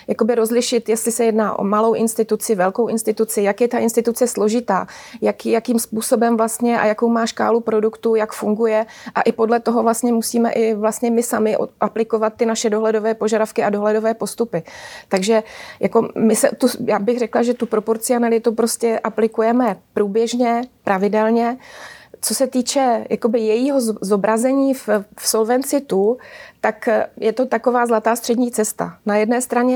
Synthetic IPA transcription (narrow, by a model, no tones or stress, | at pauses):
jako̞bɪɾo̞zlɪʃɪt̪jɛst̪lɪsɛjɛdnaːʔo̰malo̞wʔɪnst̪ɪt̪ut͡sɪvɛlko̞wʔɪnst̪ɪt̪ut͡sɪjakjɛt̪aʔɪnst̪ɪt̪ut͡sɛslo̞ʒɪt̪a̰ːjakjakiːmspuːso̞bɛmvlast̪ɲɛʔa̰jako̞wmaːʃka̰ːlupɾo̞dukt̪ujakfuŋɡujɛʔa̰ʔɪpo̞dlɛt̪o̞ɦo̞vlast̪ɲɛmusiːmɛ̰ʔɪvlast̪ɲɛmɪsamɪʔo̰ʔaplɪko̞vat̪ːɪnaʃɛdoɦlɛdo̞vɛːpo̞ʒadafkɪʔado̞ɦlɛdo̞vɛːpo̞st̪upɪt̪aɡʒɛjako̞mɪsɛt̪ujaːbɪɣr̝ɛklaʒɛt̪upɾo̞po̞ɾt͡sɪanalɪt̪upɾo̞scɛʔaplɪkujɛmɛpɾuːbjɛʒɲɛpɾavɪdɛlɲɛ | t͡so̞sɛt̪iːt͡ʃɛja̰ko̞bɪjɛjiːɦo̞zzo̞bɾʔazɛɲiːffso̞lvɛnt͡sɪt̪ut̪akjɛt̪o̞t̪ako̞vaːzlat̪aːst̪r̥ɛdɲiːt͡sɛst̪a̰najɛdnɛːst̪ɾaɲɛ